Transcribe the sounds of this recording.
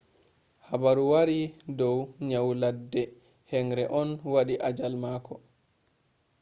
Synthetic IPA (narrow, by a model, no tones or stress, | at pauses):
habaɾuwaɾidɔwɲawladːɛ | hɛŋɾɛʔɔnwaɗiʔad͡ʒalmaːkʰɔ